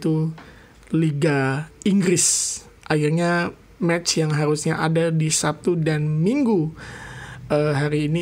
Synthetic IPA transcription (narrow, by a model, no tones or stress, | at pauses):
t̪u | liɡaiŋɡɾɪs | ʔahirɲa | mɛt͡ʃjaŋɦaɾusɲaʔadadisap̚t̪udanmiŋɡu | əɦaɾiːni